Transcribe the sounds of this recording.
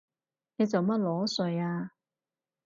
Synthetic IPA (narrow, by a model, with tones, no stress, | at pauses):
nɛː˨˧t͡sɐ˨˩wmɐ˥t̚lɔː˨˥sɵ˨˧jaː˧